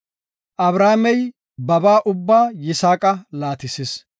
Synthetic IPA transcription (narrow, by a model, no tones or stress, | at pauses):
ʔɐbɾaːmɛj | bɐbaːʔʊbːaːjɪsaːkʼɐlaːt̪ɪsɪs